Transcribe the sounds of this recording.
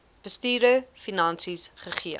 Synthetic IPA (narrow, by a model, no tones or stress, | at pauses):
b̥əstiːɾəfinɐnsisχəχiə